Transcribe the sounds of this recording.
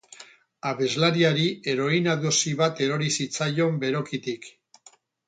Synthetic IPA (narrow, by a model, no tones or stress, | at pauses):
aβe̞zlaɾiaɾie̞ɾo̞inaðusiβ̞at̪e̞ɾo̞ɾisit͡sajo̞mbe̞ɾo̞kit̪ik